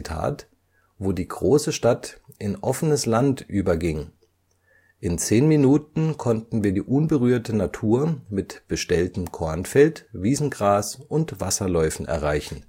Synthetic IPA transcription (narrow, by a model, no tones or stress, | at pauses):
tʰa̰ːt | voːdiːɡʁoːsəʃtatʔɪnʔɔfənəslantʔyːbɐɡɪŋ | ʔɪnt͡seːnminuːtn̩kʰɔntn̩viːɐdḭːʔʊnbəʁyːɐtʰənatʰuːɐmɪtb̥əʃtɛltəmkʰɔɐnfɛltviːzn̩ɡʁaːsʔʊntv̥asɐlɔʏfn̩ʔɛ̰ɐʁ̞aɪçn̩